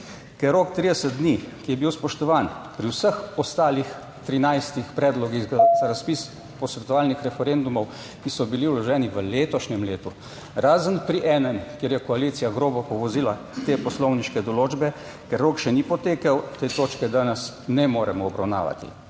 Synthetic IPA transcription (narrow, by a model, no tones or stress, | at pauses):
kɛɾːoːkt̪ɾiːd̪ɛsət̪̚d̪nikijɛbiwspɔʃt̪ɔʋaːnpɾiwsəxɔst̪aːlix | t̪ɾinajst̪ixpɾɛːd̪lɔɡiɣɡazaɾaspiːs | pɔsʋɛt̪ɔaːlnixɾɛfɛɾend̪umɔw | kisɔbiliwlɔʒɛːniʋəleːt̪ɔʃnɛmleːt̪u | ɾaːzənpɾiʔɛːnɛmkjeɾjɛkɔaliːt̪sijaɡɾoːbɔpɔʋɔziːla | t̪eːpɔslɔwniʃkɛd̪ɔloːd͡ʒbɛ | kɛɾːoːkʃɛnipɔt̪eːkawt̪eːt̪oːt͡ʃkɛd̪anɛsnɛmoːɾɛmɔːbɾa̰wna̰ːʋa̰t̪ḭ